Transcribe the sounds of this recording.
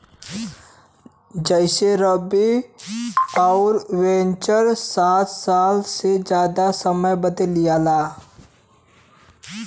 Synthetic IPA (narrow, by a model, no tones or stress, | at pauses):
d͡ʒəɪʃeɾəbi | ɔːʊɾwẽːnt͡ʃəɾsaːt̪saːlsed͡ʒjaːd̪asəməjbəd̪əlːijaːlaː